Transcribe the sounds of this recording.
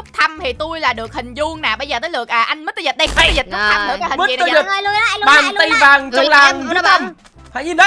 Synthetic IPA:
ʊ˦˥k͡p̚t̪ʰa˧mt̪ʰi˨˩t̪u˧jlaː˨˩ɗɨ˨˩ək̚hï˨˩ŋ̟zu˧əŋnaː˨˩ɓə˧jzəː˨˩əː˨˦jlɨ˨˩ək̚ʔəː˨˩ʔa˧jŋ̟məː˨˦jt̪əː˧˩zə˨˩t̚ɗə˧jzi˨˩t̚k̪̚ʰa˧˩mɗɨ̰˧˦a˧˦˩həː˨˩lu˧˨˦aː˧˨˩t̪i˧vaː˨˩ŋ˧˨˩laː˨˩˧nɔ˨˦a˨˧˩ | t̪ʰa˧˨˩ɲi˧n˨˦

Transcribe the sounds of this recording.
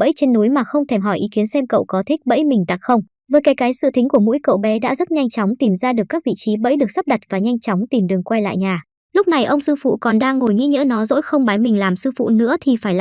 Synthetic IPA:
ɓə̰˧˥jt͡ɕe˧nːu˨˦jmaː˨˩xə˧wŋ͡mt̪ʰɛ˧˩mɦɔ˧˩jʔi˨˦ki˨˦ənsɛ˧mkə̰˧˨wkɔ˨˦t̪ʰï˦˥k̟̚ɓə̰˧˥jmï˨˩ŋ̟t̪a˨˩k̚xə˧wŋ͡m | vəː˨˦jkaː˨˦jkaː˨˦jsɨ̰˧˨t̪i̟˨˦ku˧˩əmṵ˧˥jkə̰˧˨wɓɛ˨˦ɗa̰ː˧˥zə˦˥t̚ɲa˧jŋt͡ɕɔ˨˦wŋ͡mt̪i˨˩mzaː˧ɗɨ˨˩əkːaː˦˥k̚vḭ˧˨t͡ɕi˨˦ɓə̰˧˥jɗɨ˨˩ək̚sp̚ɗa˨˩t̚vaː˨˩ɲa˧jŋ̟t͡ɕɔ˨˦wŋ͡mt̪i˨˩mɗɨ˨˩əŋkwa˧jla̰ː˧˨jɲaː˨˩ | lʊ˦˥k͡p̚na˨˩jʔə˧wŋ͡msɨ˧fṵ˧˨kɔ˨˩nɗaː˧ŋːo˨˩jŋḭ˧˥ɲə̰˧˥nɔ˨˦zo̰˧˥jxə˧wŋ͡mɓaː˨˦jmï˨˩ŋ̟laː˨˩msɨ˧fṵ˧˨nɨ̰˧˥ət̪ʰi˨˩faː˧˩jl

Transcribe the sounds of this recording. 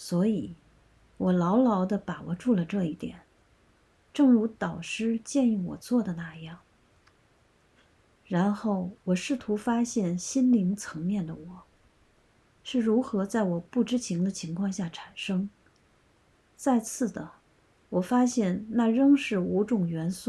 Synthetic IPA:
swɔ˧˥i˨˩˦ | wɔ˨˩lɑ˧˥ʊlɑ˧˥ʊd̪ə˧pa˨˩wɔ˨˩ʈ͡ʂu˥˩lə˩ʈ͡ʂɤ˥˧i˥˩t̪jɛ̰˨˩˦n | ʈ͡ʂɤ˥˩ŋɻu˧˥t̪ɑ˨˩ʊʂɻ̩˥t͡ɕjɛ˥˧ni˥˩wɔ̰˨˩t͡swɔ˥˩d̪ə˩na˥˧jɑ˥˩ŋ | ɻa˧˥nxo˥˩ʊwɔ˨˩ʂɻ̩˥˩t̪ʰu˧˥fa˥ɕjɛ˥˩nɕi˥nli˧˥ŋt͡sʰɤ˧˥ŋmjɛ˥˩nd̪ə˩wɔ˨˩˦ | ʂɻ̩˥˩ɻu˧˥xɤ˧˥t͡sa˥˩ɪwɔ˨˩pu˥˩ʈ͡ʂɻ̩˥t͡ɕʰi˧˥ŋd̪ə˧t͡ɕʰi˧˥ŋkʰwɑ˥˧ŋɕja˥˩ʈ͡ʂʰa˨˩nʂɤ˥ŋ | t͡sa˥˧ɪt͡sʰɹ̩˥˩d̪ə˩ | wɔ˨˩fa˥ɕjɛ˥˩˧nna˥˩ɻɤ˥ŋʂɻ̩˥˩u˧˥ʈ͡ʂʊ˨˩ŋɥɛ˧˥nsu˥˩

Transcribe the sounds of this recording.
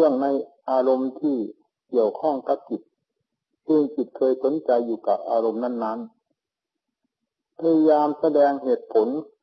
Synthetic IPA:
ɯ˥˩əŋna˧˥jʔaː˧lo˧mt̪ʰiː˧˩ | ki˧˩əwkʰɔ˧˥˩ŋka˧˦p̚t͡ɕi˨˩t̪̚ | sɯː˧ŋt͡ɕi˨˩t̪̚kʰɤː˧jko˨˦nt͡ɕa˧jːuː˧˩ka˨˩p̚ʔaː˧ɾo˧mna˥˩˨nːa˦˥n | pʰa˧ja˧jaː˧msa˧dɛː˧ŋɦe˨˩t̪̚pʰo˨˦n

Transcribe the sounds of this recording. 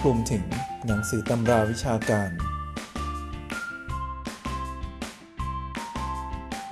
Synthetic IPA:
ɾu˧mt̪ʰɯ˩˦ŋna˩˦ŋsɯː˩˦t̪a˧mɾaː˧wi˦˥t͡ɕʰaː˧kaː˧n

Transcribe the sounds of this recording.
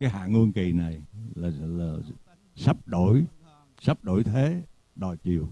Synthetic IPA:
kaː˨˦jɦa̰ː˧˨ŋu˧əŋki˨˩na˨˩jlaː˨˩˨laː˨˩ | sa˦˥p̚ɗo̰˧˥˦j | sa˦˥p̚ɗo̰˧˥jt̪ʰe˨˦ | ɗɔ˨˩jt͡ɕi˨˩əw

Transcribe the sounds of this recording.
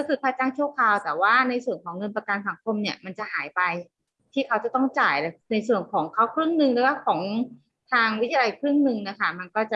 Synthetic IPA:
a˧kɯ˨˧˩t̚pʰaː˧t͡ɕa˥˩ŋt͡ɕʰu˥˩əkʰaː˧wt̪ɛː˨˩waː˥˩na˧jsu˨˩ənkʰɔː˩˦ŋːɤ˧npa˧ka˧nsa˨˩˦ŋkʰo˧mni˥˩ɐma˧nt͡ɕa˨˩haː˩˦jpa˧j | t̪ʰiː˥˩kʰa˦˥wt͡ɕa˨˩t̪ɔ˥˩ŋt͡ɕaː˨˩jlɤː˧˩na˧jsu˨˩ənkʰɔː˩˦ŋkʰa˦˥wkʰɾɯ˥˩ŋnɯ˧ŋlɛː˨˦waː˥˩kʰɔː˩˦ŋ | t̪ʰaː˧ŋwi˦˥˧a˧jkʰɾɯ˥˩ŋnɯ˧ŋna˦˥kʰa˥˩ma˧nkɔː˥˩t͡ɕa˨˩

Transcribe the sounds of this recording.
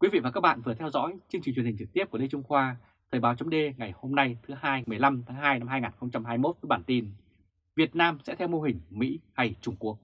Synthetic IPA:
kwi˨˦vḭ˧˨vaː˨˩kaː˦˥k̚ɓa̰ː˧˨vɨ˨˩ət̪ʰɛ˧wzɔ̰˧˥jt͡ɕɨ˧ŋt͡ɕi˨˩t͡ɕwhï̟˨˩t͡ɕɨ˨˩k̚t̪i˦˥əp̚ke˧t͡ɕʊ˧ŋ͡mxwaː˧ | t̪ʰəː˨˩ɓaː˨˦wt͡ɕɔ˨˦ŋ͡mɗe˧ŋa˨˩jho˧mna˧jt̪ʰɨ˨˦haː˧jmɨ˨˩əjla˧mt̪ʰaː˨˦ŋɦaː˧jna˧maː˧jŋaː˨˩nxə˧wŋ͡mt͡ɕa˧mɦaː˧jmo˦˥t̚vəː˨˦jɓaː˧˩nt̪i˧n | vi˨˩ət̚naː˧msɛ̰˧˥t̪ʰɛ˧wmo˧ɦï˨˩ŋ̟mḭ˧˥ha˧jt͡ɕʊ˧˩ŋ͡mku˦˩ək̚

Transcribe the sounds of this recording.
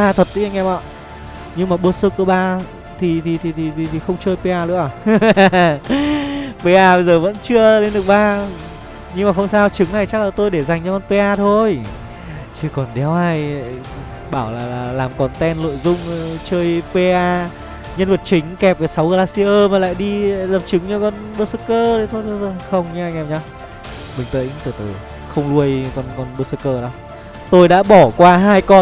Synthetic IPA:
ɓaː˧t̪ʰə˨˩t̚t̪ḭ˨˧˦ŋɛ˧mɔ̰˧˨ | ɲɨ˧ŋmaː˨˩ɓu˧əsɨ˧˥ku˧˩əɓaː˧ | t̪ʰi˨˩t̪ʰi˨˩t̪ʰi˨˩t̪ʰi˨˩t̪ʰi˨˩t̪ʰi˨˩xə˧wŋ͡mt͡ɕəː˧jpe˧ʔaː˧lɨ̰˧˥əʔaː˧˨˩ | pe˧ʔaː˧ɓə˧jzəː˨˩və̰˧˥nt͡ɕɨ˧əle˧nɗɨ˨˩ək̚ɓaː˧ | ɲɨ˧ŋmaː˨˩xə˧wŋ͡msaː˧wt͡ɕɨ˨˦ŋna˨˩jt͡ɕa˦˥k̚laː˨˩t̪o˧jɗe˧˩za˨˩ŋ̟t͡ɕɔ˧kɔ˧˨˩npe˧ʔaː˧t̪ʰo˧j | t͡ɕɨ˧˩kɔ˨˩nɗɛ˨˦whaː˧j | ɓaː˧˩wlaː˨˩laː˨˩laː˨˩mkɔ˨˩nt̪ɛ˧nlo̰˧˨jzʊ˧ŋ͡mt͡ɕəː˧jpe˧ʔaː˧ | ɲə˧nvə˨˩t̚t͡ɕï˨˦ŋ̟kɛ˨˩p̚ʔəː˨˦sa˨˦wɣəː˧laː˧si˧ʔəː˧maː˨˩la̰ː˧˨jɗi˧lə˨˩p̚t͡ɕɨ˨˦ŋt͡ɕɔ˧kɔ˧n | ɓəː˧sə˧kəː˧ɗə˨˦t̪ʰo˧jt̪ʰo˧jzo˧˩xə˧wŋ͡mɲɨ˧ŋʔa˧jŋ̟ʔɛ˨˩m̚ɲaː˧w | ɓï˨˩ŋ̟t̪ə̰ː˧˨jɲɨ̰˧˥t̪ɨ˧˩t̪ɨ˨˧˩ | xə˧wŋ͡mlu˧əjkɔ˧nkɔ˧nɓəː˧sə˧kəː˧ɗɔ˨˦ | t̪o˧jɗa̰ː˧˥ɓɔ˧˩kwaː˧ɦaː˧jkɔ˧

